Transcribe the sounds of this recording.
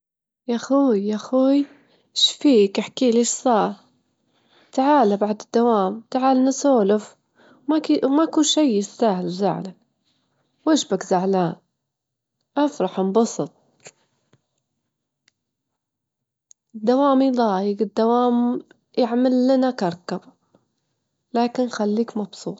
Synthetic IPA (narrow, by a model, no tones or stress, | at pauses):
jaxuːjaxuːj | ʃfiːkɪħkiːliːʃsˤɑːɾˤ | t̪aʕaːlabaʕd̪ɪd̪ːawaːmt̪aʕaːlanasoːlʊf | maimakuːnʃajːɪsːaːhɪlwza̰ʕla | wɪʃbakzaʕlaːn | ʔɑfɾˤɑħmbɑsˤɨt̪̚ˤ | ɪd̪ːawaːmid̪ˤɑːjɪɡɪd̪ːawaːm | jɪʕmalːanakɑɾˤkab | laːkɪnxalːiːkmɑbsˤṵːt̪ˤ